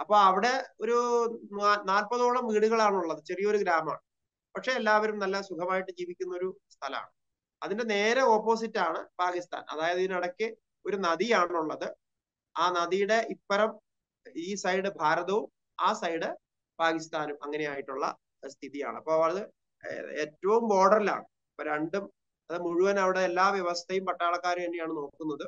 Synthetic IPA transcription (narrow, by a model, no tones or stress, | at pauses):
ɐpːo̞ːɐʋiɽe̞o̞ɾu | naːlpɐðoːɭɐmʋiːɽuɣɐɭaːɳuɭːɐðɨt͡ɕerijɐo̞ɾuɡɾaːmɐa̰ːɳɨ | pɐkʂe̞ːlːaːʋɐɾumnɐlːɐsukʰɐmaːjiʈːɨd͡ʑiːʋikʲːun̪ːɐo̞ɾu | st̪ʰɐlɐma̰ːɳɨ | ɐðinde̞ne̞ːɾɐo̞ːpːo̞ːs̬itːaːɳɨ̰paːkist̪ʰa̰ːnɐ̰ðaːjɐðɐðinɐɽɐkʲːɨ | o̞ɾunɐðijaːɳuɭːɐðɨ | aːnɐðijuɽe̞ʔipːɐɾɐm | iːsɐjɽɨbʱaːɾɐðɐʋum | aːsɐjɽɨ | paːkist̪aːnumʔɐŋːɐne̞jaːjiʈːuɭːɐ̰ | st̪ʰiðija̰ːɳɨɐpːoːɐʋɐɭðɨ | ḛːtːɐʋumo̞ːɽɐrila̰ːɳɨ | pːoːɾeɳɖum | ɐðɨmuɻuʋɐnɐʋiɽeːlːaːʋjɐʋɐst̪ʰɐjumpɐʈːaːɭɐkːaːɾukɐɳːijaːɳɨno̞ːkkːunːɐðɨ